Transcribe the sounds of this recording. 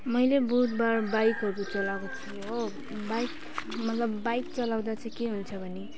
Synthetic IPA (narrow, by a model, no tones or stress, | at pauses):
mʌjlebut̪barbajkɦʌɾut͡sʌlakot͡sʰi | o | bajk | mʌt̪lʌbːajk̚t͡sʌlawd̪at͡sʌj̃keɦunt͡sʰʌbʱʌne